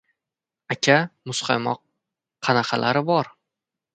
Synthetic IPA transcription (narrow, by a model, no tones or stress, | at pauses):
akʲʰamʊsqʰɑjmɒ̰q̚ʰː | ɑnaqʰɑlʔaɾɪbɒɾ